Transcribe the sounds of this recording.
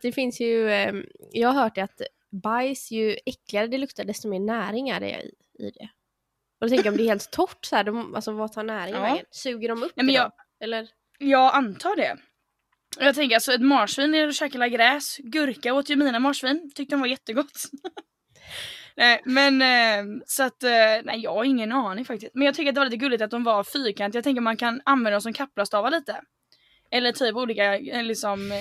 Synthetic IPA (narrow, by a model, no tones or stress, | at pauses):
d̪̥ɛfɪnsjɵ | jɑːɡhaɾɦœːʈ̚ɖɛat̪ | bajsjɵɛkːlɪɡaɾəd̪ɛlɵkt̪aɖɛst̪ɔmeːɳæːɾɪŋaɖɛ̰ɪ̰ | ɪ̰d̪ɛ̰ | ɔd̪ɔt̪ɛŋkəjaɔmd̪ɛɾheːlt̪ʰːɔʈːsɔhæːɖɔma̰lsɔvat̪ʰɑːnæːɾɪnsʉːɡəɖɔmɵp̪ːɛmnj | ɛlːəɾ | jɑːɡant̪ʰɑːɖɛ̰ | ɔjɑɡt̪ʰɛŋkəɾalsɔɛt̪mɑːʂviːnɛɔɕɛklaɡɾɛːsɡɵɾkaoːt̪jɵmiːnamɑːʂviːnt̪ʰʏk̚t̪əɾɔnvaɾjɛt̪ːəɡɔt̪ː | nɛɪmɛn | sɔat̪ːnɛ̰ɪjɑːɡhaɾɪŋːənɑːnɪŋfak̚t̪ɪst̪̚mɛnjɑɡt̪ʰʏkːɾat̪̚d̪ɛvaliːt̪əɡɵlːɪt̪at̪̚d̪ɔmvaɾfyːɾkʰant̪jɑɡt̪ɛŋk̬əɾmankʰananvɛnd̪ɔnsɔmkʰapːlast̪ʰɑːvaliːt̪ə | ɛlːəʈʰyːpuːliːkalɪksɔm